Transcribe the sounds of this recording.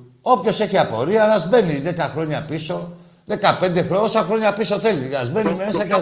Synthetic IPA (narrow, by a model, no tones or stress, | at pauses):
o̞pço̞se̞çiɐpo̞̰ɾiɐɐzme̞niðe̞kɐxɾo̞ɲɐpiso̞ | ðe̞kɐpe̞nd̪e̞xɾoosɐxɾo̞ɲɐpiso̞θe̞liɐzme̞nime̞sɐc